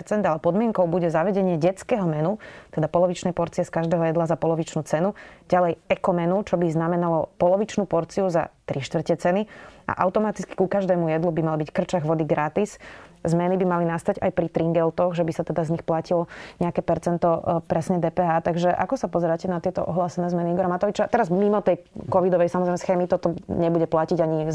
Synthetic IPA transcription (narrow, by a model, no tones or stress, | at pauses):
ɾt͡sɛnd̪alɛpɔd̪mɪɛŋkɔʊbuɟɛzaʋɛɟɛɲɪɛɟɛt͡skɛːɦɔmɛnut̪ɛd̪apɔlɔʋit͡ʃnɛjpɔɾt͡siɪɛskaʒd̪ɛːɦɔjɛd̪lazapɔlɔʋit͡ʃnuːt͡sɛnuɟalɛjɛkɔmɛnut͡ʃɔbiznamɛnalɔpɔlɔʋit͡ʃnuːpɔɾt͡siuza̰t̪ɾiʃt̪ʋr̩cɛt͡sɛnia̰ʔa̰ʊt̪ɔmat̪i̥t͡ski̥kukaʒd̪ɛːmujɛd̪lubimalbickr̩t͡ʃaɣʋɔd̪iɡɾat̪iszmɛnibimalinast̪aɟajpɾit̪ɾiŋɡɛlt̪ɔɣʒɛbisat̪ɛd̪azɲixplacilɔɲɛakɛːpɛɾt͡sɛnt̪ɔpɾɛsɲɛd̪ɛːpɛɦaːt̪aɡʒɛʔa̰kɔsapɔzɛɾaːcɛnat̪ɪɛt̪ɔʔɔɦlaːsɛnɛːzmɛniiɡɔɾamat̪ɔʋit͡ʃat̪ɛɾazmimɔt̪ɛjkɔʋid̪ɔʋɛjsamɔzɾɛɪmɛsxɛːmit̪ɔt̪ɔɲɛbuɟɛplaciɟaɲi